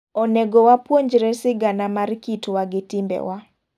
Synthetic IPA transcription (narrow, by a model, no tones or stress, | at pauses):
ɔneɡɔwapwoɲd͡ʒɾɛsɪɡanamarkitwaɡɪtɪmbɛ̰wa